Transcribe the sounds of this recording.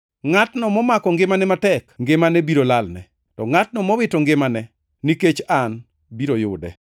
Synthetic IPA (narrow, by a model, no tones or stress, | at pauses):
ŋatnɔmɔmakɔŋɡɪmanɛmatɛkŋɡɪmanɛbiɾolalnɛ̰ | tɔŋat̚nɔmɔwɪtɔŋɡɪmanɛ | niket͡ʃan | biɾojʊdɛ̰